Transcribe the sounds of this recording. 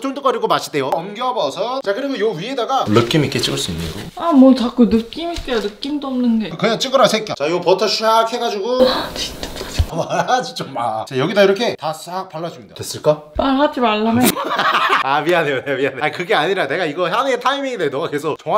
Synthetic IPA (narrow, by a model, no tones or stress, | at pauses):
t͡ɕʰoŋt͈ok͈ʌɾiɡomaɕʰide̞joʌmɡjʌbʌsʰʌt͡ɕakɯɾiɡojoɥiedaɡanɯk͈imik͈et͡ɕ͈iɡɯɭs͈uḭnːḭɡo̰amwʌt͡ɕak͈unɯk͈imik͈enɯk͈imdoʌmnɯnɡe̞kɯɲaŋt͡ɕ͈iɡɯɾasʰek͈jat͡ɕajopʌtʰʌɕʰiakʰhe̞ɡad͡ʑuɡoat͡ɕit͈aasmad͡ʑit͡ɕ͈omːat͡ɕajʌɡidaiɾʌkʰe̞tas͈ak̚paɭːad͡ʑumida̰twes͈ɯɭk͈a | paɭɦad͡ʑimaɭːamjʌ | abianejonemianekɯɡe̞aɲiɾane̞ɡaiɡʌɦanɯetʰaimiŋidenʌɡakesʰʌt͡ɕʌŋwa